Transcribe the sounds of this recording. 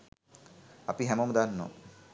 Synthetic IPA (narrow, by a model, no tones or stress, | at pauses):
apiɦɛmomd̪anːo̰